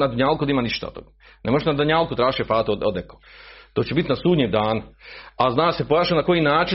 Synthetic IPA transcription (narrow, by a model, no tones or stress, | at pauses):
nad̪aɲaːlˠkud̪aiːmaniʃt̪a̰o̰t̪o̰ɡ | nemoʒeʃnad̪aɲaːlˠkut̪ɾaːʒʃefaːt̪uod̪eko̥t̪o̞ːt͡ɕe̞bit̪nasuːd̪ɲeːd̪aːnuaznaːse̞pojaːʃanako̞jinaːt͡ʃi